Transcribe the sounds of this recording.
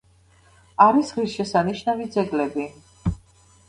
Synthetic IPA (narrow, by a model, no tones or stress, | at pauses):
aɾisʁisʃɛsaniʃnavid̪zɛɡlɛbi